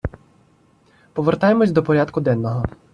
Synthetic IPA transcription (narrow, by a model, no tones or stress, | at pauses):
pɔʋert̪ɑjemɔsʲd̪ɔpɔɾʲat̪kʊd̪ɛnːɔɦɔ